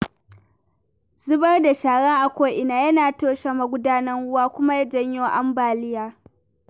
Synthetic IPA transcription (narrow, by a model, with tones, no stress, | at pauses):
zʊ˦bɐ˦rda˨ʃaː˨ɽaː˦ʔa˨kʷoː˦ʔɪ˨naː˨jɐ˦naː˨toː˦ʃa˨ma˨ɡʷʊ˦daː˦nɐ˦ŋwʊ˦waː˦kʷʊ˦ma˦ja˦d͡ʒɐ˦ɲjoː˦ʔa˦mbaː˨lɪ˦jaː˦